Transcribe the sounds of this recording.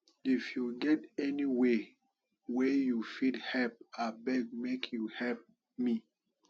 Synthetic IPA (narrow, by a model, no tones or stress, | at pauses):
ifjuɡɛtɛniwe | wejufidhɛlp̚abɛɡ̚mekʰjuhɛlp̚ | mi